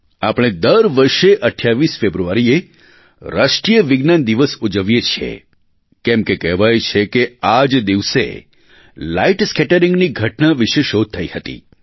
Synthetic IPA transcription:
a̰pɽ̃ed̪əɾʋəɾʃeʔəʈʰːjaʋisfebɾuaɾie | ɾaʃʈɾijəʋiɡnand̪iʋəsud͡ʒəʋjet͡ʃʰḛ | kɛmkekɛɦʋajt͡ʃʰekead͡ʒd̪iʋsḛ | laiʈskɛʈəɾĩŋɡniɡʱəʈnaʋiʃeʃod̪̚t̪ʰːəihət̪ḭ

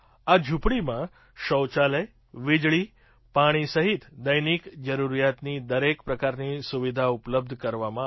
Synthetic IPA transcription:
ad͡ʒʱupɽimã | ɕəwt͡ʃaləj | ʋid͡ʑɭiː | paɽ̃isəɦit̪d̪əjniːkd͡ʒəɾuɾjat̪niːd̪əɾekpɾəkaɾnisuʋid̪ʱaupləb̚d̪ʱkəɾʋamã

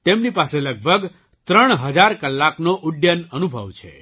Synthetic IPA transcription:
t̪emnipaseləɡ̚bʱəɡ | t̪ɾəɳ̃ɦəd͡ʒaɾkəlːaknoʔʊɖjənənubʱə̰ʋt͡ʃʰḛ

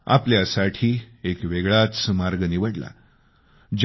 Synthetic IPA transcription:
a̰pljasaʈʰiː | ekʋeɡɭat͡smaɾɡniʋəɽla̰ | d͡ʑ

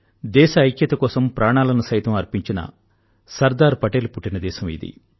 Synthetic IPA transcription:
d̪ɛːʃɐːjkjɐt̪ɐkɔːsɐmpɾaːɳaːlɐnɐsɐjt̪ɐmɐɾpiɲt͡ʃinɐ̰ | sɐɾd̪aːɾpɐʈeːlupuʈːinɐd̪ɛːʃɐmḭd̪ḭ

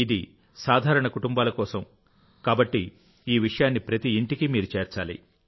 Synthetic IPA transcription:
id̪i | saːd̪ʱaːɾɐɳɐkuʈumbaːlɐkɔːsɐm | kaːbɐʈːi | iːʋiʂɐjaːnːipɾɐt̪iːɳʈikimiːɾut͡ʃe̞ːɾt͡ʃaːlḭ

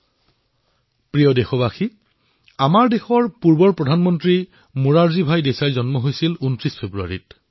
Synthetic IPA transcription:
pɹijɔdexɔbaxi | amaɹdexɔɹpuɹbɔɹpɹɔdʱanmɔntɹi | muɹaɹzibʱajdesajzɔnmɔɦojsiluntɹispʰebɹua̰ɹit

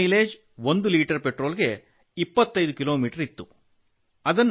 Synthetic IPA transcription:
ileːd͡ʒ | ʋo̞nd̪uliːʈɐɾpeʈɾo̞ːlɡe̞ | ipːɐt̪ːɐjd̪ukilo̞ːmiːʈɐɾit̪ːu | ɐd̪ɐnː

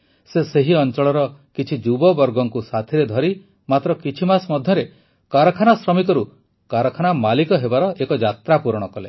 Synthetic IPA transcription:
seseɦiɔnt͡ʃɔɭɔɾɔkit͡ʃʰid͡ʒubɔbɔɾɡɔŋkusat̪ʰiɾed̪ʱɔɾi | mat̪ɾɔkit͡ʃʰimasmɔd̪ʱjɔɾe | kaɾɔkʰanasɾɔmikɔɾu | kaɾɔkʰanamalikɔɦebaɾɔʔekɔd͡ʒat̪ɾapuɾɔɽ̃ɔkɔle

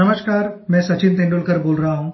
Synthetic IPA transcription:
ɐməʃkaːɾmɛ̃ːsɐt͡ʃɪnt̪ẽːɳɖʊlkɐɾboːlɾɐɦaɦũː

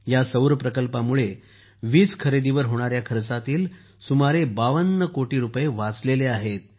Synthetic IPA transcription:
jasəwɾpɾəkəlpamuɭe | ʋiːt͡skʰəɾed̪iʋəɾɦoɽ̃aɾjakʰəɾt͡sat̪iːl | sumaɾebaʋənːəkoʈiːɾupjeʋat͡sleleaɦet̪̚

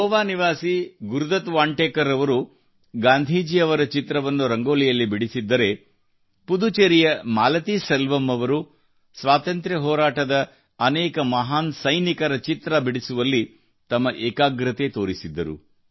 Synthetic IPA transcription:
ɦɔːʋaːniʋaːsiɡuɾud̪ɐt̪ʋaːɳʈeːkɐɾɐʋɐɾu | ɡaːnd̪ʱiːd͡ʒiɐʋɐɾɐt͡ʃit̪ɾɐʋɐnːuɾɐŋɡoːlijɐlːibiɽisid̪ːɐɾe̞ | pud̪ut͡ʃeɾijɐmaːlɐt̪isɐlʋɐmːɐʋɐɾu | sʋaːt̪ɐnt̪ɾjɐɦɔːɾaːʈɐd̪ɐ | ɐnɛːkɐmɐɦaːnsɐjnikɐɾɐt͡ʃit̪ɾɐbiɽisuʋɐlːi | t̪ɐmːɐʔɛːkaːɡɾɐt̪et̪oːɾisid̪ːɐɾṵ

